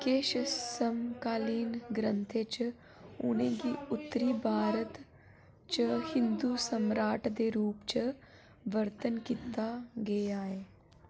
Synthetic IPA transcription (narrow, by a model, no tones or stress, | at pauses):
keːʃsəmkaːliːnɡɾə̃nt̪ʰet͡ʃ | ʊ̰nẽɡiʊt̪ːəɾiːbʱaːɾət̪ | t͡ʃəhɪ̃nd̪usəmɾaːʈʰd̪eːɾuːpt͡ʃə | ʋəɾt̪ənkiːt̪aɡeeaːeː